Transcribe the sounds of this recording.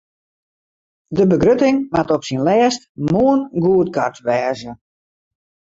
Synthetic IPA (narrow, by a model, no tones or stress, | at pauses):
dəbəɡrøtɪŋmatɔpsinlɛːstmuənɡuət̚kʰartʋɛːzə